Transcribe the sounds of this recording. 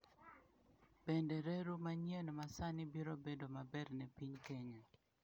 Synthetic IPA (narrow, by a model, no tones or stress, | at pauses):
b̥ɛndɛɾeɾumaɲjɛnmasanɪbiɾobedomabɛrnɛpiɲkɛɲa